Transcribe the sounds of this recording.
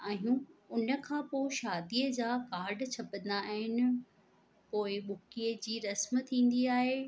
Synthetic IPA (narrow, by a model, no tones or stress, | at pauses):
aːɦijũʊnə̆kʰãːpoɪʃaːd̪iːəd͡ʑaːkaːɾɖt͡ɕʰɐpə̃nd̪aaɦɪnɪ̆ | poːɪɓʊkiːəd͡ʑiːɾɐsmt̪ʰĩːn̆d̪iaːɦeː